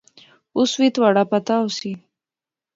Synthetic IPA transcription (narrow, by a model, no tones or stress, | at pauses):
ʊswit̪waɽapat̪ausi